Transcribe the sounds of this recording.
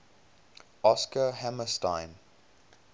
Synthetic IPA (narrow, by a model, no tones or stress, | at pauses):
ʔɔskəhæməstãɪ̃m